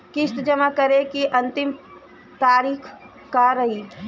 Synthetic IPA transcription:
kɪst̪d͡ʒɐmakɐɾekiʔɐ̃nt̪ɪm | t̪aːɾiːkʰ | kaɾɐɦiː

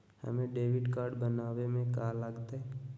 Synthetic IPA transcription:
hə̰mẽɖeːʋɪɖkaːɾɖbənaːwemẽkaləɡt̪aɦɛ

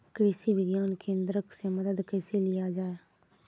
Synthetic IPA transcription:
kɾɪsiːʋɪɡjaːnkẽːnd̪ɾəkseməd̪əd̪kɛːseːlɪaːd͡ʒaːeː

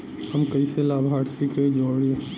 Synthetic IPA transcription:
hɐmkɐiselaːbʱaːɽsiked͡ʒoːɽie

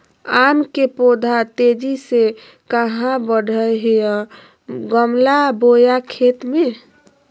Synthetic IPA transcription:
amkepod̪ʱat̪ed͡ʒise | kəɦãbəɽʱəɦeə̃ | ɡəmlabojakʰet̪me

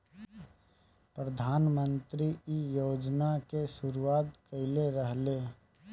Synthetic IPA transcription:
pɾəd̪ʱaːnmə̃nt̪ɾiijoːd͡ʒnakesʊɾuwaːt̪kəɪleɾəɦle

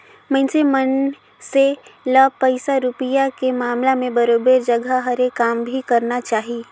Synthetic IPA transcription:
mɛ̃nsemən | seləpəɪsaɾʊpijakemaːmlamẽbəɾoːbeɾd͡ʒəɡʱaɦəɾekːaːmbʱikɐɾnat͡ʃaːɦi

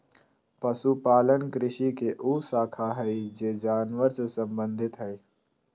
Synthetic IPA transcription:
pɐsupaːlənkɾɪʃikeʔuːsaːkʰaɦɛid͡ʒeːd͡ʒaːnʋəɾsesɐ̃mbə̃nd̪ʱɪt̪ɦɛi

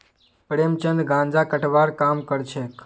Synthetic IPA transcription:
pɾemt͡ʃənd̪ɡãnd͡ʒakəʈʋaɾkamkəɾt͡ʃʰek

